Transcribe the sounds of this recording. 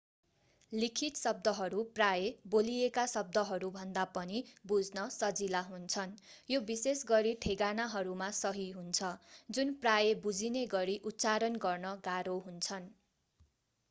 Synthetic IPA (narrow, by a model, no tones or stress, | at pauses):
likʰit̪sʌb̚d̪ʌɦʌɾuprajebolijekasʌb̚d̪ʌɦʌɾubʱʌnd̪apʌnibud͡znʌsʌd͡zilaɦunt͡sʰʌnjobisesɡʌɾiʈʰeɡanaɦʌɾumasʌɦiɦunt͡sʰʌd͡zunprajebud͡zineɡʌɾiʔut̪ːt͡saɾʌnɡʌrnʌɡaɾoɦunt͡sʰʌn